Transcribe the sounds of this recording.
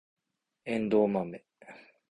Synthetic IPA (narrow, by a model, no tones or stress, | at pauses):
end̪oːmame